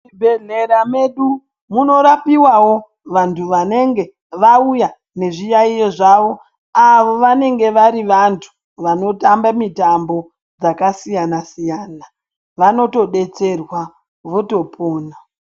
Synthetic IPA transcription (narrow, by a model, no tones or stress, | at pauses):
ibʱeɮe̞ɾame̞ɗu | muno̞ɾapiwawo̞ | ʋantʰuʋane̞ŋɡe̞ | ʋauja | ne̞ʐijaijoʐaʋo̞ | aʋo̞ʋane̞ŋɡe̞ʋaɾiʋantʰu̥ | ʋano̞tambamitambo̞ | d͡zakasijanasijaːna | ʋano̞to̞ɗe̞t͡se̞rwa | ʋoto̞pʰoːna